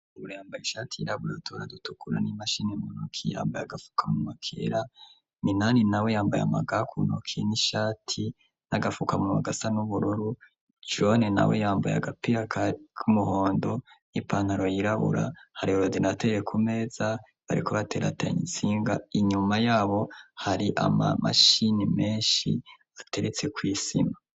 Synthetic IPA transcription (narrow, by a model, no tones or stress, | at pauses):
uɾuɾjaːmbajiʃaːtʰiiɾaβuɾotʰoɾadutukuɾa̰nimaʃinemunokʰija̰ːmbajaɡafu̥kʰamumakʰḛɾa | minaːninawejaːmbaja̰maɡakʰunokʰieniʃaːtʰi | naɡafukamuma̰ɡasanuβuɾuɾu | ʒonena̰wḛjaːmbaja̰ɡapiakʰakʰumuho̞ːndo̞ | nipaːn̥haɾo̞jiɾaβṵɾa̰haɾioɾodinatejekʰume̞ːza | βaɾḭkʰoβate̞ːɾa̰ta̰ɲḭsiːŋɡaiɲumajaːβo̞haɾiʔa̰ma̰ma̰ʃinime̞ːnʃḭ | atʰe̞ɾet͡se̞kwiːsima